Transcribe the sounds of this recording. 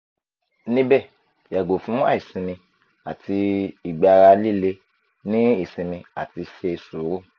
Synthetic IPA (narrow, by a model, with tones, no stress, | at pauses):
nĩ˦bɛ˦˨ | ja˨ɡo˨fũ˨˦a̰˦˨i˨sĩ˧mĩ˧ | a̰˨tʰi˧i˨ɡ͡ba˨˧ɾa˧li˦˨le˦ | nĩ˦i˦˨sĩ˨˧mĩ˧a˨ti˧ʃe˧i˧su˨˦ɾu˦˨